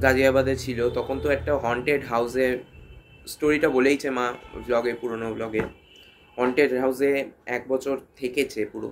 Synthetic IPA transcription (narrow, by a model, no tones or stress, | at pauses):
ɡad͡ʑiabad̪et͡ɕʰilot̪ɔkʰont̪oɛk̚ʈaɦɔɳʈeɖɦawze | sʈoɾiʈabolejt͡ɕʰemablɔɡepuɾonoblɔɡe | ɦɔɳʈeɖɦawzeɛk̚bɔt͡ɕʰoɾt̪ʰeket͡ɕʰepuɾo̰